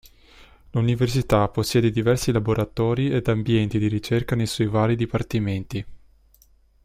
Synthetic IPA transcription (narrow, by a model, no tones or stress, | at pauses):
luniversit̪aposːjɛːd̪ed̪ivɛrsilaboɾat̪ɔːɾied̪ambjɛnt̪id̪iɾit͡ʃerkanejswɔjvaːɾid̪ipart̪iment̪i